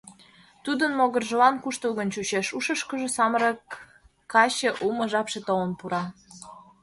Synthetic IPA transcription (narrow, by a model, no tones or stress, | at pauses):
t̪ud̪ənmoɣərʒəlɑnkuʃt̪əɣənt͡ɕut͡ɕeʃuʃəʃkə̆ʒĕsɑməɾɤkː | ɑɕeʔumə̆ʒɑpʃet̪olənpuɾɑ